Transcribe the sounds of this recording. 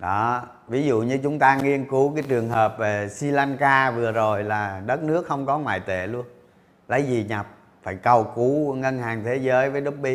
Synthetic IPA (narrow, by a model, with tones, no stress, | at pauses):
ɗɔ˨˦ | vi˨˦zṵ˧˨ɲɨ˧t͡ɕʊ˨˦ŋ͡mt̪aː˧ŋi˧ənku˨˦kaː˨˦jt͡ɕɨ˨˩əŋɦəː˨˩p̚ve˨˩si˧la˧nkaː˧vɨ˨˩əzo˨˩jlaː˨˩ɗə˦˥t̚nɨ˦˥ək̚xə˧wŋ͡mkɔ˨˦ŋwa̰ː˧˨jt̪ḛ˧˨lu˧ən | lə˨˦jzi˨˩ɲa˨˩p̚ | faː˧˩jkə˨˩wku˨˦ŋə˧nhaː˨˩ŋt̪ʰe˨˦zəː˨˦jvəː˨˦jɗʊ˦˥k͡p̚ɓi˧